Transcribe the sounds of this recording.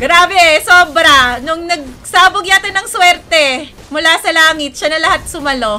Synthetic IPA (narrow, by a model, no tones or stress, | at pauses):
ɡɾaːbɛsoːbɾɐnʊŋnɐɡ̚saːboɡjaːt̪ɪnɐŋswɛɾt̪ɛ | mʊlasɐlaːŋɪt̪̚ʃanɐlɐhat̪̚sʊmɐlo̞